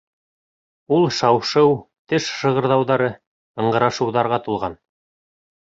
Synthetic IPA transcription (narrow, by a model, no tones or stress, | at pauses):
ulˠʃɑwʃɤw | t̪ɘʃʃɤ̆ʁɤ̆ɾðɑwðɑɾɤ | ɤ̆ɴɢɤ̆ɾɑʃɤ̆wðɑɾʁɑt̪ulˠʁɑn